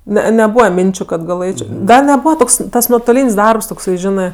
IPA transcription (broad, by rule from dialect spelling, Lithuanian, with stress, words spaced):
nʲɛ nʲɛˈbuːʋɐ ˈmʲɪnʲt͡ʃʲʊ kɐt ɡɐˈlˠɘt͡ʃʲoː ˈɡɐlˠ nʲɛˈbuːʋɐ ˈtoːks tɐs nuɔtoːˈlʲiːnʲsʲ ˈdɐrps toːkˈsɐɪ ˈʒʲɪnɜ